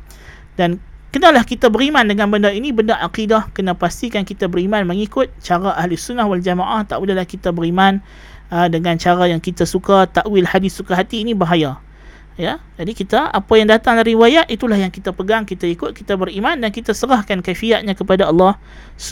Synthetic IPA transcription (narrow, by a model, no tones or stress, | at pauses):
dankənalahkit̪abəɾimandəŋanbəndainibəndaʔaqidahkənapast̪ikankit̪abəɾimanməŋikʊt̪̚t͡ʃaɾaʔaɦlusunːahwald͡ʒamaʔaht̪a̰ʔwilalahkit̪abəɾiman | ədəŋant͡ʃaɾajaŋkit̪asukat̪aʔwilhadɪssukaɦat̪iːnibaɦaja | jad͡ʒadikit̪aa̰pajaŋdat̪aŋdaɾiwajat̪it̪ulahjaŋkit̪apəɡaŋkit̪aikʊt̪̚kit̪abəɾimandankit̪asəɾahkankafiaʔ̪̚ɲãkəpadaɑlːɑh | s